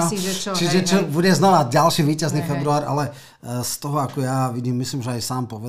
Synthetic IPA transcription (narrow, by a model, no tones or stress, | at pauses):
t͡ʃiʒɛt͡ʃɔbuɟɛznaʋaɟ̚ɟalʃiːʋiːcazniːfɛbɾuaːɾa̰lɛ | st̪ɔɦɔakɔjaʋiɟiːmːisliːmʒɛajsaːmpɔʋɛ